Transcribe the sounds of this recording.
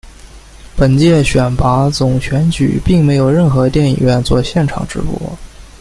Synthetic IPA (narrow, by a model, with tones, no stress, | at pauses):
pə˨˩nt͡ɕjɛ˥˩ɕɥɛ˨˩npa˧˥t͡sʊ˨˩ŋɕɥɛ˧˥nt͡ɕy̰˨˩pi˥˩ŋme˧˥ɪjo˨˩ʊɻə˥˩nxɤ˧˥t̪jɛ˥˩nḭ˨˩ɥɛ˥˧nt͡swɔ˥˧ɕjɛ˥˩nʈ͡ʂʰɑ̰˨˩ŋʈ͡ʂɻ̩̰˧˥pwɔ̰˥˩˦